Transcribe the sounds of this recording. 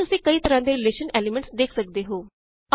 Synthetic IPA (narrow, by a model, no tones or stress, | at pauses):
ʊsĩːkəiːt̪əɾãːd̪eːɾɪleːʃənɛːlimə̃ɳʈsd̪eːkʰsək̚d̪eːɦoː